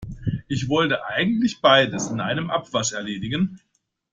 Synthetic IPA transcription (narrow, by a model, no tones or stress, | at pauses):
ʔɪçv̥ɔltəʔaɪɡŋ̩tlɪçb̥aɪdəsɪnʔa̰ɪnəmʔa̰pv̥aʃɛɐleːdɪɡən